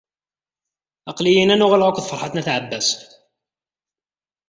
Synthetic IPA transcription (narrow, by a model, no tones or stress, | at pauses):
ɑqlijinænuʁælʕukʷðfəɾħɑt̪næθʕəbːæs